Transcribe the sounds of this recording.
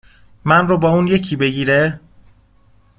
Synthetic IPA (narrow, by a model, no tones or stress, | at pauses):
mænrobɒːuːnje̞cʰiːbe̞ɟiːɾe